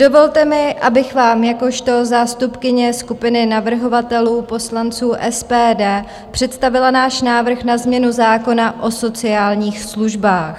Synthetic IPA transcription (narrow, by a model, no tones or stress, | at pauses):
d̥o̞vo̞lt̪ɛmɪʔabɪxvaːmjako̞ʃt̪o̞zaːst̪upkɪɲɛskupɪnɪnavr̩ɦo̞vat̪ɛluːpo̞slant͡suːʔɛspɛːdɛː | pr̝̥ɛt̪st̪avɪlanaːʃnaːvr̩xnazmɲɛnuzaːko̞naʔo̞so̞t͡sɪaːlɲiːxsluʒbaːx